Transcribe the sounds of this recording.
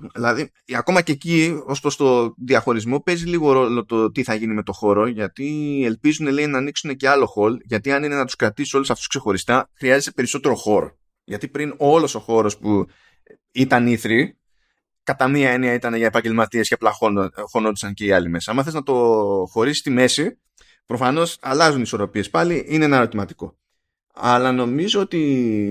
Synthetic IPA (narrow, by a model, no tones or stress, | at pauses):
ilɐði | ɐko̞mɐce̞ːcio̞spost̪o̞ðiɐxo̞ɾizmo̞pe̞ziliɣo̞ɾo̞lo̞t̪ot̪iθɐʝinime̞t̪o̞xo̞ɾo̞ʝɐt̪ie̞lpizune̞le̞inɐːniksune̞ce̞ɐlo̞xo̞lʝɐt̪iɐnine̞nɐt̪u̥skɾɐt̪iso̞lusɐft̪u̥skse̞xo̞ɾist̪ɐxɾiɐze̞t̪e̞pe̞ɾiso̞t̪e̞ɾo̞xo̞ɾo̞̰ | ʝɐt̪ipɾino̞lo̞so̞xo̞ɾo̞spu | it̪ɐniθɾi | kɐt̪ɐmiɐe̞niɐit̪ɐne̞ʝɐepɐɲɟe̞lmɐt̪ie̞sceplɐoxo̞nod̪isɐnce̞iɐlime̞sɐɐmɐθeznɐt̪o̞xo̞ɾisist̪ime̞si | pɾo̞fɐno̞sɐlɐzuniso̞ɾo̞pie̞spɐliʔinee̞nɐɾo̞t̪imɐt̪i̥ko̞̰ | ɐlɐno̞mizo̞ot̪i